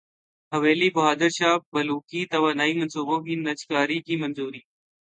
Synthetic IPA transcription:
ɦəʋeːliːbɐɦaːd̪əɾʃaːbɐluːkiːt̪ɐʋaːnaːiːmənsuːbõːkiːnɐt͡ʃkaːɾiːkiːmənzuːɾiː

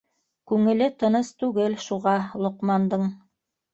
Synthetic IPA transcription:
kʉŋɘ̆lɘt̪ɤ̆nɤst̪ʉɡɘlʃuʁɑlˠŏqmɑnd̪ɤɴ

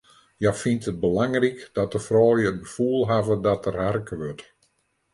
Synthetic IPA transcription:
jafintət̚bəlaŋrikd̥ɔtəfrɔːljəət̚bəfuːlˠɦavədɔtʰərɦarkəʋøt

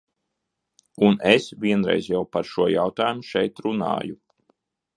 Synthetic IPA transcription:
unesvʲiɛnɾɛ̰jzjawpaɾʃuɔjawt̪aːjumuʃɛjt̪ɾuna̰ːju

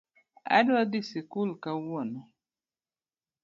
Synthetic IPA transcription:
a̰dadisikulkawɔnɔ

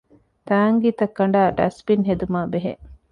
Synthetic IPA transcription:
t̪aːŋɡiːt̪ɐkːɐɳ̆ɖaːɖɐ̰spinɦed̪umaːbeɦḛ

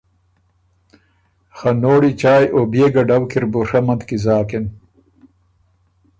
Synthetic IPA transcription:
xɐnoːɽit͡ʃaːjʔobeɡɐɖɐwkiɾbuʂɐmɐnt̪kizaːken

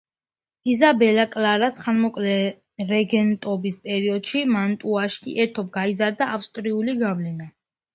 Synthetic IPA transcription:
izabɛlakʼlaɾasχanmɔkʼlɛ | ɾɛɡɛnt̪ʼɔbispʼɛɾiɔd̪̥ʃimant̪ʼuaʃkʰḭʔɛt̪ʰɔb̚ɡaizaɾd̪aʔafst̪ʼɾiuliɡavlɛna

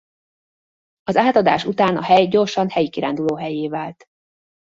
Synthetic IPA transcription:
ɒzaːt̪ɒd̪a̰ːʃut̪aːnɒ̰hɛjɟo̞rʃɒnhɛjikiɾa̰ːnd̪uloːɦɛjeːvaːlt̪

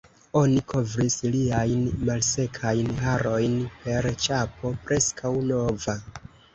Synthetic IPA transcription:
o̞nikʰo̞vɾisliajnmalse̞kʰajnɦaɾo̞jnpe̞ɾt͡ʃapo̞pɾe̞skʰawno̞va

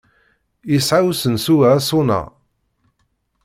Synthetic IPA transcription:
isʕawsənsuvæsʊnæ̰

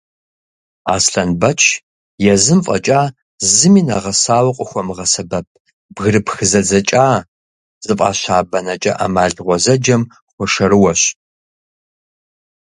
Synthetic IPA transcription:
a̰ːsɬɐnbɐt͡ʃʰ | jɛzɨmfʼɐ̰t͡ʃʼaː | zɨmiːnaʁɐsaːwɐqʷʼʊxʷɔmɨʁɐsɐbɐp̚ʰ | bɣɨɾɨpxɨzɐd͡zɐt͡ʃʼaː | z̥ɨfʼa̰ːɕaːbɐnɐt͡ʃʼɐ̰ʔa̰maːɮʁʷɔzɐd͡ʒɐm | χʷɔʂɐɾɨwɐɕ

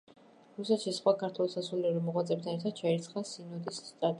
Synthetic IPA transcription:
ɾusɛt̪ʃisχwakʰaɾt̪ʰwɛlˠsasuliuɾimɔʁwat̪sʼɛp̚t̪ʰanɛɾt̪ʰad̪̥̚t͡ʃʰaiɾt̪sʰχasinɔd̪isːt̪ʼat̪ʼ

